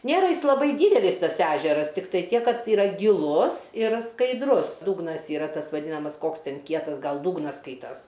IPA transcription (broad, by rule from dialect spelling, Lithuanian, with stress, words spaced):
ˈnʲeːrɐ ˈjɪs lˠɐˈbɐɪ ˈdʲiːdʲɛlʲɪs ˈtɐs ˈæʒʲɛrɐs tʲɪkˈtɐɪ ˈtʲiɛk ˈkɐt iːˈrɐ ɡʲɪˈlˠʊs ɪr skɐɪdˈrʊs ˈduːɡnɐs ˈiːrɐ ˈtɐs ʋɐˈdʲiːnɐmɐs ˈkoːks tʲɛn ˈkʲiɛtɐs ˈɡɐlˠ ˈduːɡnɐs ˈskɐɪtɐs